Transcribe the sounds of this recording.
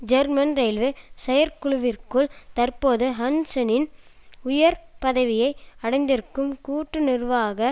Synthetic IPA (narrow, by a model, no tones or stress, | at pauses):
d͡ʒɐɾmɐnɾɐɪlʋɯsɛjɐɾkʊɭʊʋɪrkɯɭt̪ɐrpoːðɯɦɐnsɐnɪnʊjɐɾpɐðɐʋɪjɐɪɐɽɐɪnd̪ɪɾɯkːɯmkuːʈːɯnɪrʋaːɣɐ